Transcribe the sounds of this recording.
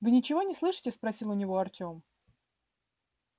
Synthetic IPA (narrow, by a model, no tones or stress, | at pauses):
vɨnʲɪt͡ɕɪvo̞nʲɪslˠɨʂɨ̥tʲɪspɾɐsʲilˠʊnʲɪvo̞ɐrtʲo̞m